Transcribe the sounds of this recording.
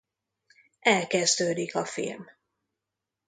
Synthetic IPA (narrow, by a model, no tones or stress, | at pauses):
ʔɛlkɛzd̪øːd̪ikɒfḭlm